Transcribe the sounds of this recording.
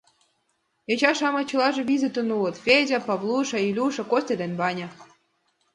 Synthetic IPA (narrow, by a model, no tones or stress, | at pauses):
et͡ɕɑʃɑmɑ̆t͡ɕɤlˠɑʒɤ̆βizʲet̪ə̆nulɤ̆t̪fʲedʲapɑβlˠuʃɑilʲuʃɑ̆kosʲt̪ʲed̪enʲbɑnʲɑ̆